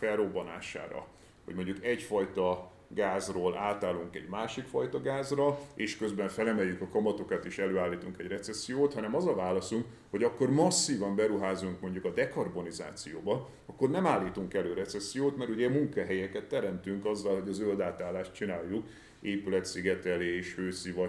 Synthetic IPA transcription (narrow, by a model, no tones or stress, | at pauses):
fɛlrobːɒna̰ːʃa̰ːɾɒ̰ | hoɟmo̞ɲɟukɛcfɒjt̪ɒ | ɡaːzroːlʔaːt̪aːluŋkɛ̰ɟmaːʃikfɒjt̪ɒɡaːzrɒeːʃkø̞zbɛɱfɛlɛmɛjːykɒkɒmɒt̪o̞kɒt̪eːʃɛløːaːlːiːt̪uŋkɛɟrɛt̪sɛsːijoːt̪hɒnɛmɒzɒvaːlɒsuŋk | ho̞ɟɒkːo̞rmɒsːiːvɒmbɛɾuɦaːzuŋkmo̞ɲɟukɒd̪ɛkɒrbo̞niza̰ːt̪sijoːbɒ | ɒkːo̞rnɛmaːlːiːt̪uŋkɛløːɾɛt̪sɛsːijoːt̪mɛɾuɟɛmuŋkaɦɛjɛkɛt̪ːɛɾɛmt̪yŋkɒzːɒlɦo̞ɟɒzøld̪aːt̪aːlːaːʃtt͡ʃinaːjːuk | eːpylɛt̪siɡɛt̪ɛleːeːʃhøːsivɒ